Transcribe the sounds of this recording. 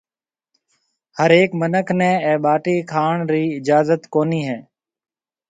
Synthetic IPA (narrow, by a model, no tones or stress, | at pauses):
həɾeːkmənəkʰnɛ̃ːɛːɓaːʈiːkʰaːɳɾiːɪd͡ʒaːzət̪koːniːɦɛː